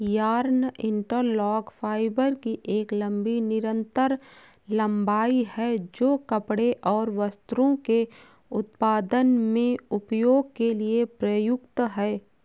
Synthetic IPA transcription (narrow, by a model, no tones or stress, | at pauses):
jaːɾnɪ̃ɳʈəɾlɔːɡfʰaːɪbəɾkiʔeːklə̃mbinɪɾə̃nt̪əɾ | lə̃mbaːihɛd͡ʒoːkəpɽeʔɔːɾʋəst̪ɾõke | ʊt̪̚paːd̪ənmẽʊpjoːɡ̚keliepɾəjʊkt̪ɦɛː